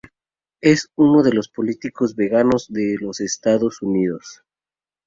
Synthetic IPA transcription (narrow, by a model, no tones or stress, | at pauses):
esuno̞ðe̞lo̞spo̞lit̪iko̞zβeɣanozðelosest̪aðosuniðos